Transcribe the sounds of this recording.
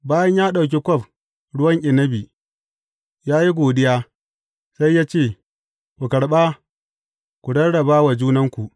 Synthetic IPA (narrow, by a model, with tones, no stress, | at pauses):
baː˦jɐ˦ɲjaː˦ɗa˨wk̬ʲe˦kʷɔ˦˨ɸ | ɽʊ˦wɐ˦ŋʔʲɪ˨nɐ˦biː˨ | jaː˦ji˦ɡʷoː˨dɪ˦jaː˦ | sa˦jːaː˦t͡ʃeː˦˨ | kʷu˨kɐ˨ɽɓaː˦ | kʷu˨ɽɐ˦ɽɐ˨baː˦wa˨d͡ʒuː˦nɐ˦ŋkʷu˨ʔ